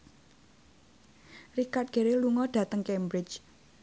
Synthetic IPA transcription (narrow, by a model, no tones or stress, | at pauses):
rikat̚ɡ̥e̤ɾeluŋɔɖ̥a̤t̪əŋkɛmbɾɪt͡ʃ